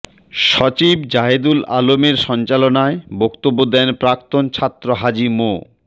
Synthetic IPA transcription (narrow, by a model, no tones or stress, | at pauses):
ʃɔt͡ɕibd͡ʑaɦed̪ula̰lomeɾʃɔnt͡ɕalonaebɔkt̪obːod̪ɛnpɾak̚t̪ont͡ɕʰat̪ːɾoɦad͡ʑimo̰